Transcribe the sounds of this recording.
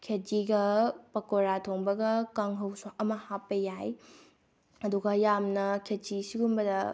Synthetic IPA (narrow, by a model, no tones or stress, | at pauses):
kʰed͡ʒiɡɐpɐkoɾatʰoŋbɐɡɐkaŋɦɐwsaʔɐmɐhapːɐjaj | ɐduɡɐjamnɐkʰed͡ʒisiɡumbɐdɐ